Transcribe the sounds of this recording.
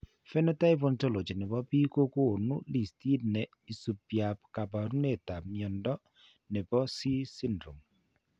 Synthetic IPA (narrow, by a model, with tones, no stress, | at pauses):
fɛ˦nɔ˦ta˦ɪ˦po˦nto˦lo˨t͡ʃi˨nɛ˨bɔ˦pi˦ko˦ko˦˨nu˦li˨sti˦dnɛ˨ | i˨su˨pja˨pka˨ba˨ɾu˦ne˦˨ta˨p̚mjɔ˨ndɔ˦ | nɛ˨bɔ˦si˦sɪ˦ndɾu˨m